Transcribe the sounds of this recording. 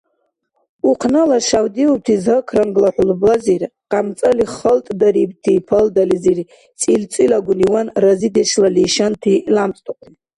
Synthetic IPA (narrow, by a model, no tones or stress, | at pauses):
uqʰnalaʃawdiwub̚tʰizəkʰranɡlaħʷʊlbazirqʼamt͡sʼaliχəltʼdaribtʰipʰəldaliziri | t͡sʼilt͡sʼilaɡʷuniwanrazideʃlaliʃantʰilamt͡sʼtʼakʷʰʼn